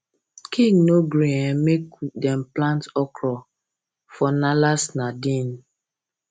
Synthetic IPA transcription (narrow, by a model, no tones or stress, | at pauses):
kʰĩŋnoɡɾihɛ̃mekdɛmplãntɔkɾɔ | fɔnalasnadin